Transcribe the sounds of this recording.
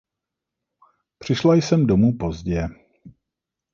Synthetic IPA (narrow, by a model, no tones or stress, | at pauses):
pr̝̥ɪʃlajsɛmdomuːpo̞zɟɛ